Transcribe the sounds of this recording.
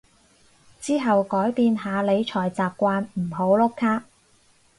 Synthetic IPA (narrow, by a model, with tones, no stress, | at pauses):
t͡siː˥ɦɐ˨wkɔː˨˥jpiː˨˧nɦaː˨˧le˨˧jt͡ʃʰɔː˨˩jt͡saː˨p̚kʷaː˧nm̩˨˩ɦo˨˥wlo˥kkʰːaː˥k̚